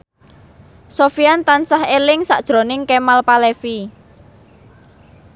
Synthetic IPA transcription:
sofiant̪ansahelɪŋsa̰ʔd̥ʒ̥ɾo̤nɪŋkemalpalefi

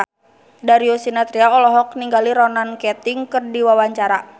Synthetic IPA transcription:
daɾiosinat̪ɾiaɔlɔɦɔk̚niŋɡaliɾɔnankɛt̪iŋkɨrdiwawaɲt͡ʃaɾa

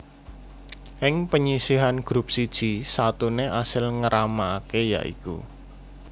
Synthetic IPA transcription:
ʔɪŋpəɲisiɦanɡ̥ɾup̚sid̥ʒ̥i̤sat̪uneʔasɪlŋəɾʔamaːkeja̰ʔḭkṵ

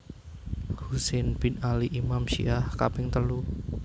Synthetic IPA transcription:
husenb̥ɪnaliʔimamʃḭʔahka̰pɪŋt̪əlu

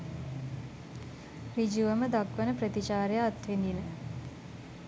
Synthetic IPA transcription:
ʋid͡ʒuʋəməd̪akʋənəpɾət̪it͡ʃaːɾjaːt̪ʋind̪inə

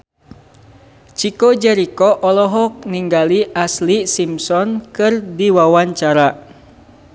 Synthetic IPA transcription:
t͡ʃikɔd͡ʒɛɾikɔʔɔlɔɦɔk̚niŋɡaliʔaslisimsɔnkɨrdiwawaɲt͡ʃaɾa

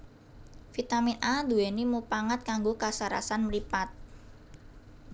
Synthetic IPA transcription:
fit̪aminʔad̪uɛnimupaŋat̪̚kaŋɡokasaɾa̰sanməɾipat̪̚

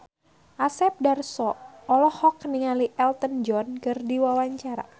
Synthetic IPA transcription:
ʔasɛp̚darsɔːlɔhɔkniŋaliʔɛlt̪ənd͡ʒɔnkərdiwawaɲt͡ʃaɾa̰

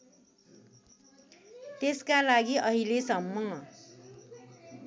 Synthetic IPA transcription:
t̪eskalaɡiʔʌɦilesʌmːʌ

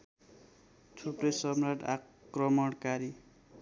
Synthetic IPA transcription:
t͡sʰupːojsʌmraʈa̰krʌmʌɽkaɾi

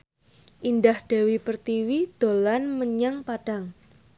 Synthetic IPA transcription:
ʔindahd̥ewipərt̪iwid̪̥olanməɲaŋpad̥aŋ

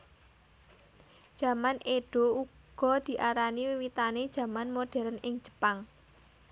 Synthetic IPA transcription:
ʒ̥ä̤manʔeɖ̥o̤u | ɡ̥ɔ̤d̪̥i̤ʔaɾaniwiwit̪aned̥ʒ̥ä̤manmoɖ̥ɛ̤ɾənʔɪŋ̥d͡ʒ̥ə̥paŋ

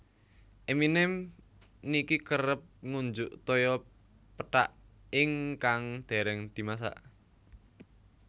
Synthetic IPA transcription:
ʔeminɛm | nikikəɾəp̚ŋuɲd͡ʒʊʔt̪ɔjɔ | pəʈa̰ʔ | ɪŋkaŋd̪̥e̤ɾɛŋd̪̥i̤mas̬a̰ʔ

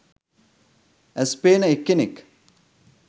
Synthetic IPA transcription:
æspeːnəekːenek

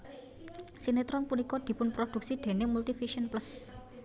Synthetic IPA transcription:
sinet̪ɾɔnpunikɔd̪̥i̤pʊnpɾod̪̥uk̚sid̪̥e̤nemult̪ifiʃənplas

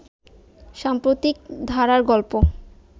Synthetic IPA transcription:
ʃampɾot̪ik̚d̪ʱaɾaɾɡɔlpo

